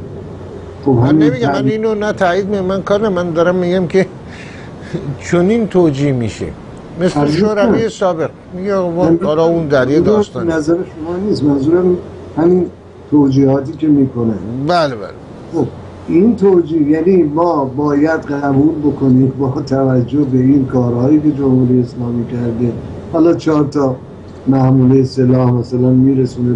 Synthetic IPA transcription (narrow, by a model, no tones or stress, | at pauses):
xobhæminnmiːɟæmæniːnonæt̪ʰæjiːd̪̚miʃmænkʰɒːɾnæmænd̪ɒːɾæmːiɟæmkʰe̞ | t͡ʃʰonint̪ʰoːd͡ʒiːhmiːʃḛ | me̞seʃoːɾæviːesɒːbe̞q | miɟemɒɒːlɒund̪æɾjed̪ɒːst̪ɒnnæzæɾeʃomɒːniːst̪mænzuːɾæmin | hæmin | t̪ʰoːd͡ʒiːhɒːt̪iːke̞miːkʰo̞nebælebæ̰l | xob | ʔint̪ʰod͡ʒiːhjænimɒːbɒːjæd̪ɢæbuːlbokʰo̞niːmbɒːt̪ʰævæd͡ʒːohbe̞inkʰɒːɾhɒːjiːke̞d͡ʒomhuːɾijeːslɒːmiːcʰæɾd̪ehɒːlɒːt͡ʃʰɒːɾt̪ʰɒ | mæhmuːlejese̞lɒːhmæsælænmiːɾesuːne